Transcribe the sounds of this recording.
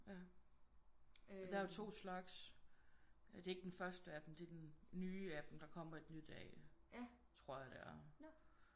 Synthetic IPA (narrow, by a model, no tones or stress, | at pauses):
jæ | ɒd̥ææjt͡sʰo̝̰ːslɑ̈ɡ̥s | d̥e̝e̝ɡ̥əd̥enfɶɐsd̥əæd̥em̩d̥e̝d̥enːyːæd̥em̩d̥ɑ̈kʰɒ̽m̰ɐe̝d̥nyd̥ɛ̰ː | t͡sʰʁo̝ɐ̰jɑd̥eæɐ